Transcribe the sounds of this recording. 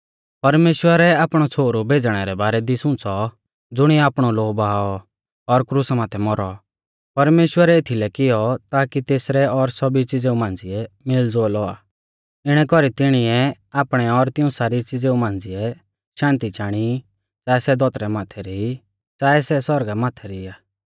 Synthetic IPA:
pɐɾmeːʃwəɾɛaːpɽ̃ɔt͡sʰoːɾubʱeːd͡zɽ̃ɛɾɛbaːɾɛd̪isʊ̃t͡sɔ | d͡zʊɽ̃iaːpɽ̃ɔloːbaɦaːɔ | ɔɾkɾʊsmãːt̪ʰɛmɔɾɔ | pɐɾmeːʃwəɾɛɪt̪ʰilɛkɪjɔt̪aːkit̪eːsɾɛɔɾsɔbit͡sɪd͡zeumãːnd͡zɪɛ | mɪld͡zoːlɔaː | ɪɽ̃ɛkɔɾit̪ɪɽ̃ɪɛ | aːpɽ̃ɛɔɾt̪ɪũsaːɾit͡sɪd͡zeũmãːnd͡zɪɛ | ʃãːnt̪it͡ʃaːɽ̃i | t͡saːɛsɛd̪ʱɔt̪ɾɛmaːt̪ʰɛɾii | t͡saːɛsɛsɔɾɡamaːt̪ʰɛɾiiaː

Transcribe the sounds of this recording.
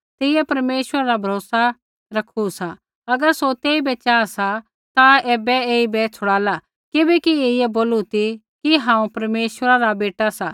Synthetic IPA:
t̪ɪɪjɛpɐɾmeːʃəɾaɾabʱɐɾoːsa | ɾɐkʰusa | ɐɡəɾsot̪eːibɛt͡ʃaːsa | t̪aeːbɛeːibɛt͡sʰʊɽaːla | kɪbɛkieːɪjɛboːlut̪ʰi | kiɦãːũpɐɾmeːʃwəɾaɾabeːʈasa

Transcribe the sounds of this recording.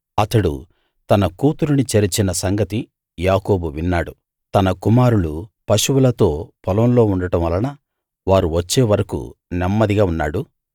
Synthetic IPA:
ɐt̪ɐɽṵ | t̪ɐnɐkuːt̪uɾunit͡ʃɐɾit͡ʃinɐsɐŋɡɐt̪i | jaːko̞ːbuʋinːaːɽu | t̪ɐnɐkumaːɾulupɐʃuwulɐt̪o̞ːpʰɐlɐmlo̞ːuɳɖɐʈɐ̃mʋɐlɐnɐ | ʋaːɾuʋɐt͡ʃːeːʋɐɾɐkṵnɛmːɐd̪iɡaːunːaːɽu

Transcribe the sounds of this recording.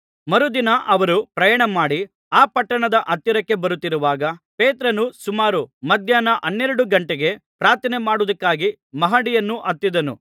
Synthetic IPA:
mɐɾud̪inɐʔɐʋɐɾupɾɐjɐːɳɐmaːɽi | aːpɐʈːɐɳɐd̪ɐʔɐt̪ːjiɾɐkːe̞bɐɾut̪ːiɾuʋaːɡɐpeːt̪ɾɐnusumaːɾumɐd̪ʱjaːnɐʔɐnːeːɾɐɽuɡɐɳʈeɡe̞pɾaːɾt̪ʰɐnemaːɽud̪ɐkːaːɡi | mɐɦaːɽijɐnːuʔɐt̪ːid̪ɐnṵ

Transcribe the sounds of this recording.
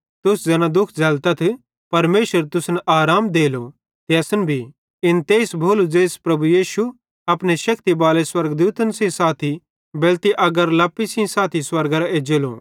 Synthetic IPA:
t̪ʊsd͡zɐːnãd̪ʊkʰd͡zɐlt̪ɐt̪ʰ | pɐɾmeːʃəɾt̪ʊsnaːɾaːmd̪eːlo | t̪eɐsnbʱi | ɪnt̪eːsbʱoːlud͡ʒeːspɾɐbujiːʃu | ɐpneʃɐkt̪ibaːleswɐɾɡd̪uːt̪ənsĩsaːt̪ʰi | bɛːlt̪iʔɐɡəɾlɐpːisĩsaːt̪ʰiswɐɾɡɾaeːd͡ʒeːlo̰

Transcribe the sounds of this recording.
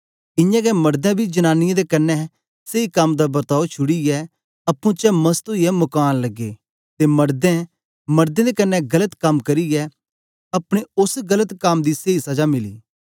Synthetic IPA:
ɪ̃jãɡɛmɐɾd̪ɛ̃bʱid͡ʒɐñaːnɪjẽd̪ekɐnːɛ | seikɐmd̪abɐɾt̪aːot͡ʃʰʊɽiɛ | ɐpːũt͡ʃɛmɐst̪oiɛmʊkaːnlɐɡːeː | t̪emɐɾd̪ɛ̃ | mɐɾd̪ẽd̪ekɐnːɛɡɐlət̪kɐmkɐɾiɛ | ɐpɽ̃eʊsɡɐlət̪kɐmd̪iseisɐd͡ʒamɪlḭː

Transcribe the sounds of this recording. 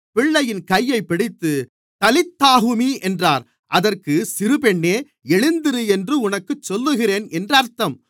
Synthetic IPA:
pɪɭːɐjɪnkɐjːɐɪpːɪɽɪt̪ːɯ | t̪ɐlɪt̪ːaːɣɯmiːʔɛndraːɾ | ʔɐðɐrkɯsɪɾɯpɛɳːeː | ɛɻɯnd̪ɪɾɯɛndrɯʊnɐkːɯt͡ʃːɔlːɯɣɪreːnɛndrɐɾt̪ɐm

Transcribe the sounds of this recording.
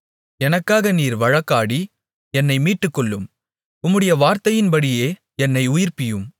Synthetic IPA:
ɛnɐkːaːɣɐniːɾʋɐɻɐkːaːɽi | ɛnːɐɪmiːʈːɯkːɔɭːɯm | ʊmːɯɽɐjɐʋaːɾt̪ɐjɪnbɐɽɪjeː | ɛnːɐɪʊjɪɾpɪjɯm

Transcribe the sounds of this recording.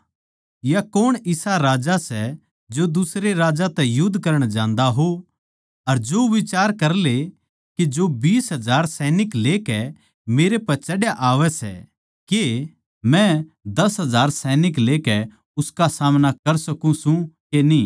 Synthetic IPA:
jakoːɽ̃ɪsaɾaːd͡ʒasɛ | d͡ʒod̪ʊsɾeɾaːd͡ʒat̪ɛjʊd̪ʱːkɐɾəɽ̃d͡ʒãːnd̪aɦo | ɐɾd͡ʒoːʋɪt͡ʃaːɾkɐɾle | ked͡ʒobiːsɦɐd͡ʒaːɾsɛːnɪkleːkɛ | meːɾepɐɾt͡ʃɐɽjaʔaːʋɛsɛ̰ | ke | mɛ̃ | d̪ɐsɦɐd͡ʒaːɾsɛːnɪkleːkɛ | ʊskasaːmnakɐɾsɐkũsũkeniː

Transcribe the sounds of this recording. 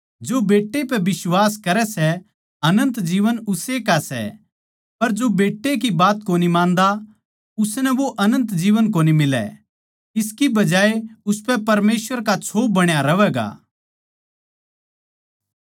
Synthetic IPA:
d͡ʒobeːʈːepɛʋɪswaːskɐɾɛsɛ | ɐnə̃nt̪d͡ʒiːʋənʊsekasɛ̰ | pɐɾd͡ʒobeːʈːek̬ibaːt̪koːnimãːnd̪a | ʊsnɛʋoʔɐnə̃nt̪d͡ʒiːʋənk̬oːnimɪlɛ̰ | ɪskibɐd͡ʒaːeʊspɛpɐɾmeːsʋəɾkat͡ʃʰoːbɐɽ̃jaɾɐʋɛːɡa̰ː

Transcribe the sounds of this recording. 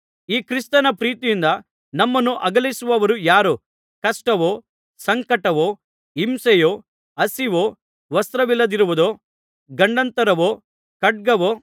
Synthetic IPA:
iːkɾist̪ɐnɐpɾiːt̪ijind̪ɐ | nɐmːɐnːuʔɐɡɐlisuʋɐʋɐɾujaːɾo | kɐʂʈɐʋoː | sɐŋkɐʈɐʋoː | imsɐjoː | ɐsiʋo̞ː | ʋɐst̪ɾɐʋilːɐd̪iɾuʋud̪oː | ɡɐɳɖɐnt̪ɐɾɐʋoː | kɐʈ̚ɡɐʋoː

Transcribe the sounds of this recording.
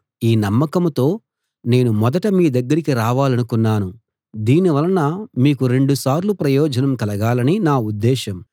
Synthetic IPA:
iːnɐmːɐkɐmt̪o̞ː | ne̞ːnumɔd̪ɐʈɐmiːd̪ɐɡːɐɾikiɾaːʋaːlɐnukunːaːnu | d̪iːniʋɐlɐnɐmiːkuɾeɳɖusaːɾlupɾɐjɔːd͡ʒɐnɐmkɐlɐɡaːlɐninaːud̪ːɛːʃɐm

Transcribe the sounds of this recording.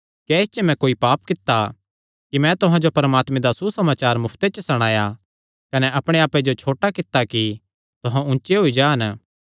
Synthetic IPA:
kɛɪst͡ʃɛmɛ̃koːipaːp̚kɪt̪ːa | kimɛ̃t̪ʊɦãd͡ʒopɐɾmaːt̪mẽd̪asusɐmaːt͡ʃaːɾmʊpʰt̪et͡ʃəsɐɽ̃aːja | kɐnɛʔɐpɽ̃eaːped͡ʒot͡ʃʰoːʈakɪt̪ːaki | t̪ʊɦãʊ̃nt͡ʃeɦoid͡ʒaːn

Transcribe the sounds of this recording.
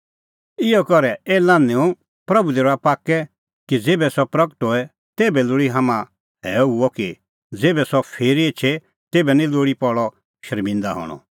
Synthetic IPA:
ɪɔkɔɾɛɛːlãːneũ | pɾɐbud̪eːɾapaːkɛ | kid͡zeːbɛsɔpɾɐkə̥ʈɦoːɛ | t̪eːbɛloɽiɦaːmã | ɦɛɦuɔki | d͡zeːbɛsɔpʰeːɾiet͡ʃʰe | t̪eːbɛnĩloːɽipɔɭɔ | ʃʃɐɾmɪ̃nd̪aɦɔ̰ːɽ̃ɔ̰

